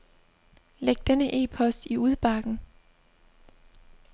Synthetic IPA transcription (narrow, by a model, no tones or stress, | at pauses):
leɡ̥̚d̥enəʔe̝̰ːpʰɒ̽sd̥iuð̞ˠb̥ɑ̈ɡ̥n̩